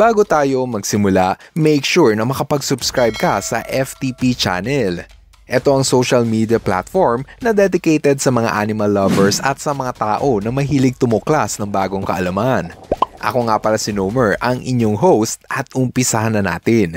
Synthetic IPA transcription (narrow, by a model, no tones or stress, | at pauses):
b̥aːɡo̞t̪aːjo̞mɐɡsɪmʊlamɛjkʃuɹnɐmɐkɐpɐɡsʊbskɹajb̚kɐsɐ̰ʔɛft̪ipit͡ʃa̰nɛl | ʔɛt̪o̞ʔɐŋsowʃɐlmiːd̪ijɐpla̰t̪foɹmnɐd̪ɛd̪ɪkejt̪ɛd̪̚sɐmɐŋa̰ʔaːnɪmɐlːɐvɛɹsɐt̪̚sɐmɐŋat̪aːʔo̞nɐmɐɦiːlɪɡ̚t̪ʊmoklasnɐŋbaːɡo̞ŋkɐ̰ʔɐlɐmanʔɐ̰ko̞ŋapɐɾasɪnomɛɹʔɐŋʔɪ̰ɲjo̞ŋɦowst̪̚ʔɐt̪ʔʊmpɪsɐhanɐna̰ːt̪ɪn